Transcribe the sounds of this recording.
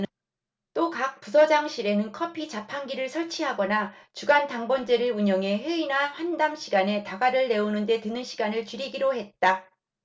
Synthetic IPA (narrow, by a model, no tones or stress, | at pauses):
t͈okak̚p͈usʰʌd͡ʑaŋɕʰiɾe̞nɯnkʰʌpʰit͡ɕapʰaŋɡiɾɯɭsʰʌɭt͡ɕʰiɦaɡʌnat͡ɕuɡantaŋbʌnd͡ʑeɾɯɭuɲʌŋe̞ɸeinaɸwandaŋɕʰiɡane̞taɡaɾɯɭːe̞onɯnde̞tɯnɯnɕʰiɡanɯɭt͡ɕiɾiɡiɾohe̞t̚t͈a